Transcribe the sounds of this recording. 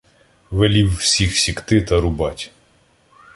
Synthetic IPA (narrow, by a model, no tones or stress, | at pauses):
ʋelʲiwːsʲixsʲikt̪ɪt̪ɐɾʊbɑtʲ